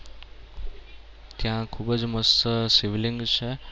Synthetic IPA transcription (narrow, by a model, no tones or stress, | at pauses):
t̪jãkʰuːbəd͡ʒməssiʋlĩŋɡt͡ʃʰe